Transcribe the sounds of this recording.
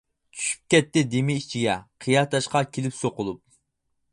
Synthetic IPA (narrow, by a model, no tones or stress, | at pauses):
t͡ʃʰy̥ʃy̥p̚kʲɛt̪ːɪd̪emɪit͡ʃʰiɡʲɛqʰijɑt̪ʰɑʃqɑkʲʰelɪpsoqʊlˠup̚